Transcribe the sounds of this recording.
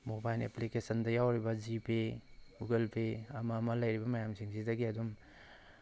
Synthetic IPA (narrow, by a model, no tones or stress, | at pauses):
mobajleplikesɐndɐjawɾibɐzipʰeuɡelpʰeɐmɐːmɐlɐjɾibɐmɐjamsʰiŋsidɐɡiɐdum